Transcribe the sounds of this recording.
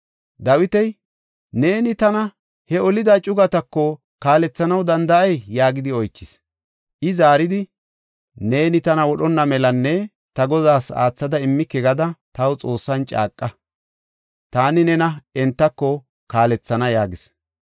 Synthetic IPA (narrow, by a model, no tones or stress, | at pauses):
d̪ɐwɪt̪ɛj | ne̞ːnɪt̪ɐnɐ | hɛɔlɪd̪at͡ʃʼʊɡɐt̪ɐkːɔ | kaːlɛt͡sːɐnɐwd̪ɐnd̪ɐʔɐjːaːɡɪd̪ɪɔjt͡ʃːɪs | ʔɪzaːɾɪd̪ɪ | ne̞ːnɪt̪ɐnɐwɔɗɔnːɐmɛlɐnːɛ | t̪ɐɡɔzaːsa̰ːt͡sːɐd̪ɐɪmːɪkːɛɡɐd̪ɐt̪ɐwt͡sʼo̞ːsːɐnt͡ʃʼa̰ːkʼːɐ | t̪aːnɪnɛnɐɛnt̪ːɐkːɔ | kaːlɛt͡sːɐnɐjaːɡɪs